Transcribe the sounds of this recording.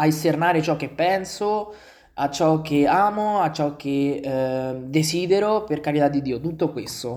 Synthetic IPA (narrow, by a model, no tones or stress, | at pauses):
aist̪ernaːɾet͡ʃɔkːepːɛnso | at͡ʃːɔk̟ːeaːmoat͡ʃːɔk̟ːe | d̪esiːd̪eɾoperkaɾit̪ad̪ːid̪ːiːot̪ut̪ːokwest̪o